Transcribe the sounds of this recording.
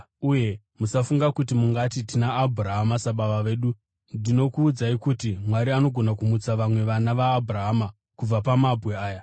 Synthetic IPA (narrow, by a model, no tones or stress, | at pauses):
uje̞ | musafuŋɡakutimuŋɡatitinaːbʱuraɦamasaɓaʋaʋe̞ːɗu | dino̞kuːd͡zaikutimwaɾiano̞ɡʱo̞nakumut͡saʋamwe̞ʋanaʋaːbʱuraɦama | kub͡vapamabʱwe̞aːja